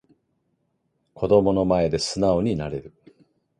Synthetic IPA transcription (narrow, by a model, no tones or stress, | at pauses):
kʰo̞d̪o̞mo̞no̞mae̞d̪e̞sɨnao̞ɲ̟inaɾe̞ɾɯ̟